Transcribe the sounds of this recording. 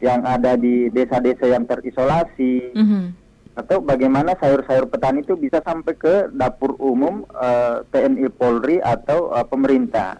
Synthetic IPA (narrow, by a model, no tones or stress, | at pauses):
jaŋadadidesadesajaŋt̪ərisolasi | at̪awbaɡajmanasajʊrsajʊrpət̪anit̪ubisasampajkədapʊrumʊmət̪eɛnipolriʔat̪awəpəməɾint̪a̰h